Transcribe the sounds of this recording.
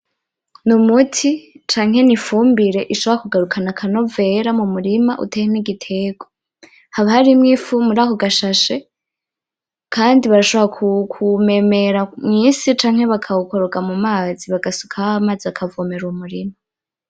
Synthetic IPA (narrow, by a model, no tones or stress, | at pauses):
numutʰit͡ʃaːŋhe̞nifuːmbiɾe̞ʔiʃo̞βoɾakuɡaɾukʰanakʰano̞ve̞ɾamumuɾimaʔṵtehimniɡitʰe̞ɡ̥o | haβahaɾimŋifumuɾaːhoɡaʃaʃe̞ | kʰaːndiβaɾaʃo̞βɾakʰkʰume̞me̞ɾamŋiːsit͡ʃaːŋ̥he̞βakʰauko̞ɾoɡamumaːziβaɡasu̥kʰaamaːziakʰavomeɾumuɾima